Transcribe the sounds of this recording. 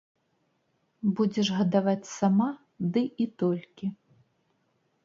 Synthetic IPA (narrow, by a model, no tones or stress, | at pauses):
bud͡zʲɛʂɣɐd̪avat͡sʲsama | d̪ɨʔit̪ɔlʲkʲi